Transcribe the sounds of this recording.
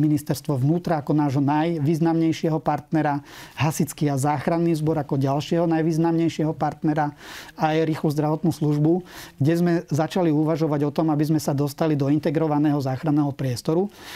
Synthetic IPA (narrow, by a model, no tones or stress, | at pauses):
minist̪ɛɾst̪ʋɔʋnuːt̪ɾaːkɔnaːʒɦɔnajʋiːznamɲɛjʃɪɛɦɔpaɾt̪nɛɾaɦasit͡skiazaːxɾanːiːzbɔɾakɔɟalʃɪɛɦɔnajʋiːznamɲɛjʃɪɛɦɔpaɾt̪nɛɾaajɾiːxluzd̪ɾaʋɔt̪nuːsluʒbuɡ̥ɟɛzmɛzat͡ʃaliuʋaʒɔʋaɟɔt̪ɔmabizmɛsad̪ɔst̪alid̪ɔint̪ɛɡɾɔʋanɛːɦɔzaːxɾanɛːɦɔpɾɪɛst̪ɔɾu